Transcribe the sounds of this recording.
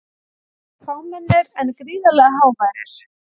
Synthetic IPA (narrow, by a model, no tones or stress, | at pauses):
fawmɛnːɪɾɛnkɾiːðalɛɣaɦaːwmajɾɪ̰ɾ̥